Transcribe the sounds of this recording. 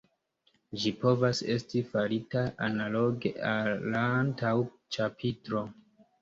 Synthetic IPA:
d͡ʒipo̞vase̞stifaɾitaanalo̞ɡeʔalːantaw | t͡ʃapʰitɾo̞

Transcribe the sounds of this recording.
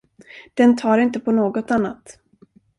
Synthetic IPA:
d̪̥ɛnt̪ʰɑːɾɪnt̪əpʰɔnoːɡɔt̪anːat̪

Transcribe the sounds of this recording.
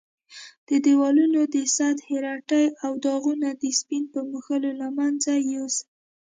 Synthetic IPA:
d̪̥əd̪ewɑlunod̪əsɑd̪heɾɑʈajawd̪ɑɣunad̪əspinpəmuxəlolamanzajoz

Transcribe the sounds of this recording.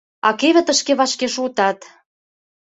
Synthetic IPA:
ɑ̰keβʲĕt̪ə̆ʃkeβɑʃkeʃut̪ɑt̪

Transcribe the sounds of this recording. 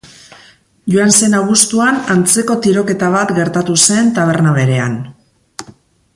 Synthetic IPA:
ʝuanse̞naβ̞ust̪uanant͡se̞ko̞t̪iɾo̞ke̞t̪aβ̞at̪ɡe̞ɾt̪at̪use̞nt̪aβ̞e̞ɾnaβe̞ɾe̞a̰n

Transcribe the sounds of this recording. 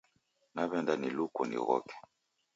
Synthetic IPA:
naβɛndanilukɔnḭɣɔ̰kɛ̥

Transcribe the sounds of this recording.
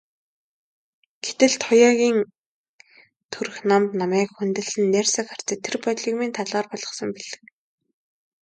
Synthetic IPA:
ɡ̥et̪ɘ̆ɮt̪χʊjaːɣʲiːŋ | t̪ʰuɾɵ̆xnamt̪namæːkxunt̪ɘ̆ɮɘ̆nːæːrsə̆kχar̥t͡sĕːt̪ʰːerpɔɮiːkmint̪ʰaɮʁaːrpɔɮʁɞ̆sɞ̆mpiɮɘ̆k

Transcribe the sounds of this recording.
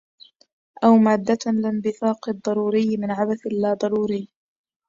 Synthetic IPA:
ʔawmaːd̪ːalɪnd̪ɪθɑːqɨd̪ˤːɑɾˤuːɾɪjːmɪnʕabaθlːaːd̪ˤɑɾˤuːɾɪː

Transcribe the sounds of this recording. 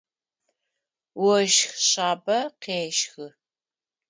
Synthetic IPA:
wɔʃxɕaːbɐqeːʃxɨ

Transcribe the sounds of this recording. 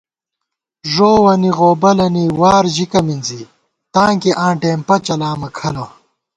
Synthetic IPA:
ʐoːwɐniʁoːbɐlɐniwaːɾʑikɐminzi | t̪ãːŋkeʔãːɳʈeːmpɐt͡ɕɐlaːmɐkʰɐlɐ

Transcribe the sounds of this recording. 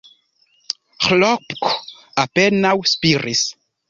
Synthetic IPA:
xlɔpk | apenawspiɾis

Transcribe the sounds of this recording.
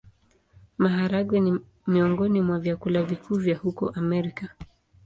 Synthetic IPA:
maɦaɾaɡwɛni | miɔŋɡɔnimwavjakulavikʰuːvjahukɔ̰ʔamɛɾika

